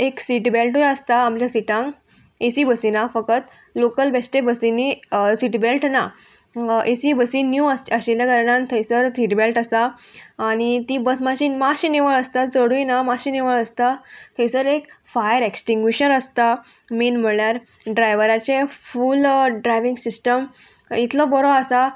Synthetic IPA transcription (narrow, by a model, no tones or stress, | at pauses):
eksiʈbelʈojəst̪aamljasiʈãŋɡ | esibəsinafəkət̪ | lokəlbesʈebəsinisiʈbelʈna | ʔesibəsinjuəsəɕeljakəɾɳãnt̪ʰə̃jsəɾt̪ʰiʈbelʈəst̪aː | ɽ̃it̪ibəsmaɕiːnmaɕineʋəɭəst̪at̪t͡səɽujnamaɕineʋəɭəst̪at̪ʰə̃jsəɾekfajəɾeksʈiŋɡiɕənəst̪a | miːnm̤əɭjaɾ | ɖɾajʋəɾat͡ɕefulɖɾajʋĩŋɡsisʈəm | it̪ʰlɔbɔɾɔasa